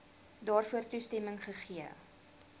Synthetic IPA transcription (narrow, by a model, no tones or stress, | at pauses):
dɑːrfuərtustɛməŋχəχiə